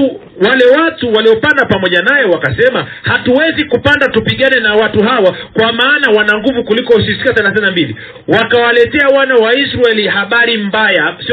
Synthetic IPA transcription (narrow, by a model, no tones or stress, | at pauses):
walɛwatuwaliɔpandapamɔʄanajɛwakasɛma | hatuwɛzikupandatupiɠanɛnawatuɦawakwamaːnawanaŋɡuvukulikɔusisikatanaθɛnambilḭ | wakawalɛtɛawanawaisɾaɛlihaɓaɾimbajasi